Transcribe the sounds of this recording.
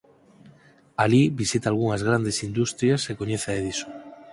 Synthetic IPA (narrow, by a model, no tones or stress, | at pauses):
aliβisit̪aːlɣ̞uŋazɣɾand̪esind̪ust̪ɾjasekoɲeθaeð̞iso̥